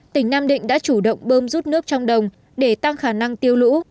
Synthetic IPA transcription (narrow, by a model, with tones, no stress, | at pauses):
t̪ï˧˩ŋ̟naː˧mɗḭ̈˧˨ŋ̟ɗa̰ː˧˥t͡ɕu˧˩ɗə̰˧˨wŋ͡mɓəː˧mzu˦˥t̚nɨ˦˥ək̚t͡ɕɔ˧wŋ͡mɗə˨˩wŋ͡m | ɗe˧˩t̪a˧ŋxaː˧˩na˧ŋt̪i˧əwlṵ˧˥